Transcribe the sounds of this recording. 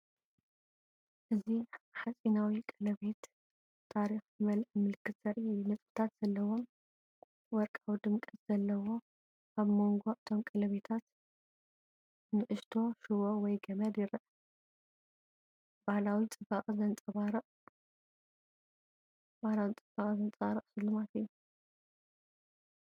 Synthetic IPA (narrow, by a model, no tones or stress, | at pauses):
ʔɨziħasʼinawikʼɐlɐβe̞t̪ʰː | aɾixjɨmɐlʔɨmɨlɨkʰːɨt̪sɐɾinɐt͡sʼbɨt̪ʰat̪z̥ɐlːɐwo̞m | wɔɾkʼawid̪ɨmkʼɨz̥ɐlːɐwo̞ | aβmo̞ŋɡo̞ʔɨt̪ʰo̞mkʼɐlɐβet̪ʰat̪ | nɨʔɨʃt̪ʰo̞ʃɨwowɔjɡɐmɐd̪jɪɾʔ | bahlawit͡sʼɨbakʼzɐnt͡sʼɐβaɾɨʔʼ | bahlawit͡sʼɨbakʼzɐnt͡sʼaɾɨʔʼsɨlːumat̪ɨjːu